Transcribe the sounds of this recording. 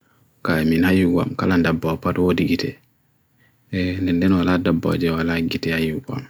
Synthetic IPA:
kaminajuɡa̰mkalandabːɔpatwodiɡitɛ | ndɛndɛnwaladabːɔ̰d͡ʒɛwalaɡitɛajuɡa̰m

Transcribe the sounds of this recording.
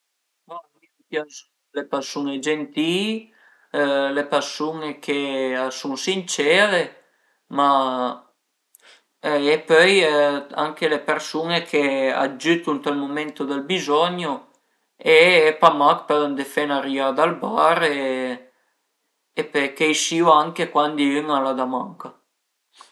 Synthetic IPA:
mamipjansu | lepɛɾsuned͡ʒent̪i | lepeɾsunekʰesunsint͡ʃɛɾe | ma | epœja̰ŋkelepeɾsunekʰea̰d͡ʒyt̪unt̪almomɛnt̪od̪əlbizɔɲo | eepamakpɛlnd̪efɛnaɾiad̪albaɾe | epœjkeiʃiwaŋkekwand̪iyŋalad̪amaŋka

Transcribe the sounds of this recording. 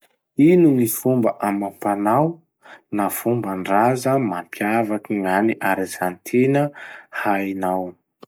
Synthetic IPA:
inuŋifumbəʔamampanaw | nafumbəɳɖ͡ʐazəmampʰjavakiŋaniʔaɾizant̪ʰenəhajnaw

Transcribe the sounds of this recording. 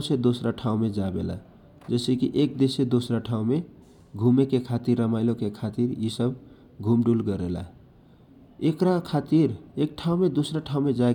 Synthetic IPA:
sed̪osɾaʈʰaũmed͡ʒabela̰ | d͡ʒɛɪsekiʔek̚d̪esed̪osɾaʈʰaũme | ɡʱumekekʰat̪iɾːəmaɪlokekʰat̪iɾisəb | ɡʱumɖulɡəɾela̰ | ekɾakʰat̪iɾek̚ʈʰaũmed̪osɾaʈʰaũmed͡ʒa

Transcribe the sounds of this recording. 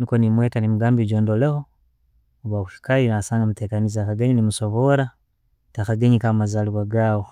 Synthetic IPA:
nikonimweːtanimuɡaːmbiɟoːndoleho̞ | βwakuʃi̥kajinasaːŋɡamute̞ːkanizakaɡeɲinimuso̞βoɾa | takaɡeɲikamazaliβaɡaːwo

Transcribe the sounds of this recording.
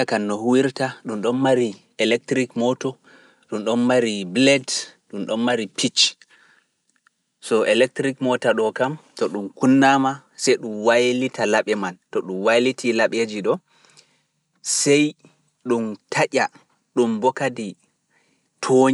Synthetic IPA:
akanːɔhuwiɾtaɗumɗɔnmaɾi | ɛlɛk̚tɾikmɔtɔ | ɗumɗɔnmaɾiblɛdɗumɗɔnmaɾipʰit͡ʃ | sɔʔɛlɛk̚tɾikmɔtaɗɔkamtɔɗumkunːama | sɛjɗumwajlitʰalaɓɛmantɔɗumwajlitʰilaɓed͡ʒiɗɔ | sɛj | ɗumtʰaʔʲa | ɗumbɔkadi | tʰoɲ

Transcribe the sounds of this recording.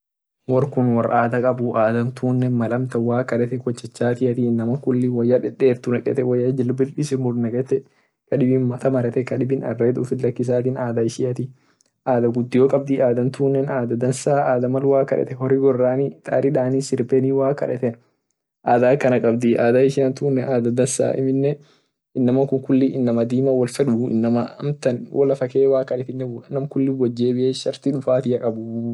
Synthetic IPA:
wɔɾkʊnwɐrʔaːd̪ɐkʼɐbʊʔaːd̪ɐnt̪ʰuːnːɛmɐlɐmt̪ɐwaːkɐᶑɛt̪ɛkɔt͡ʃːɛt͡ʃːaːt̪ɪɐt̪iːnːɐmɐŋkʊlːɪwɐjːɐᶑɛᶑeːɾt̪ʊnɛkʼɛ̰t̪ɛwɐjːɐd͡ʒɪlːbɪlᶑɪsɪmʊɾnɛkʼɛt̪ɛ | kɐᶑɪbɪnmɐt̪ɐmɐɾɛt̪ɛkɐᶑɪbɪnɐrːeːd̪ʊfɪlːɐkːɪs̬aːt̪̬ɪːnaːd̪ɐɪʃiːɐt̪i | ʔaːd̪ɐɡʊd̪ːɪjoːkʼɐb̚d̪iaːd̪ɐnt̪uːnːɛnaːd̪ɐd̪ɐnsaːaːd̪ɐmɐlwaːkɐ̰ᶑɛ̰t̪ɛhɔɾɪɡɔrːaːnit̪ʼaːɾɪᶑaːnisɪɾpeniːwaːkɐ̰ᶑɛt̪ɛn | ʔaːd̪aːkɐnɐkʼɐbd̪iʔaːd̪aɪʃɪjɐnt̪uːnːɛʔaːd̪ɐd̪ɐnsa̰ːʔɪ̰mɪnːɛ | ʔɪnːɐmɐŋkʊŋkʊlːɪɪnːɐmɐd̪iːmɐwɐlfɛᶑʊɪ̰nːɐmɐɐmt̪ɐnwʔɐlɐfɐkeːwaːkːɐᶑɛt̪ɪnːɛnɐmkʊlːɪbɔd͡ʒːeːbɪʔeːʃɐɾt̪iᶑʊfaːt̪ɪɐkʼɐbʊ

